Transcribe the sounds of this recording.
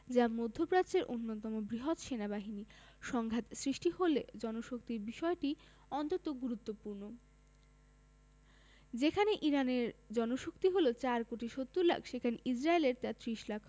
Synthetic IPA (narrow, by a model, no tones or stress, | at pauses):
d͡ʑamod̪ʱːopɾat͡ɕeɾʔonːot̪ɔmobɾiɦot̪ʃenabaɦini | ʃɔŋɡʱat̪sɾiʃʈiholed͡ʑɔnoʃok̚t̪iɾbiʃɔeʈi | ɔnt̪ot̪oɡuɾut̪ːopuɾno | d͡ʑekʰaneʔiɾaneɾd͡ʑɔnoʃokt̪iɦolot͡ɕaɾkoʈiʃot̪ːuɾla̰kʰʃekʰaneʔid͡ʑɾaeleɾt̪at̪ɾiʃlakʰ